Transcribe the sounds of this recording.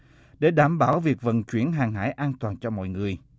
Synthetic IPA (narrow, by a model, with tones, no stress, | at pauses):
ɗe˧˩˦ɗaː˧˩mɓaː˧˩wvi˨˩ək̚və̰˧˨nt͡ɕwi˧˩˦ənɦaː˨˩ŋɦa̰ː˧˥˦jʔaː˧nt̪waː˨˩nt͡ɕɔ˧mɔ̰˧˨jŋɨ˨˩əj